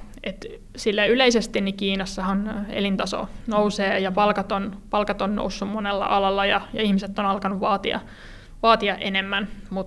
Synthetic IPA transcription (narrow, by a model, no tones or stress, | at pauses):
et̪ | silːæyleisest̪innikiːnɑsːɑhɑnḛlint̪ɑso̰nouseːjɑpɑlkɑt̪onpɑlkɑt̪onno̰usːummonelːɑ̰ʔɑlɑlːɑjɑjɑihmiset̪ːonɑlkɑnuʋʋɑːt̪ḭɑ̰ | ʋɑːt̪iɑʔenemːænmut̪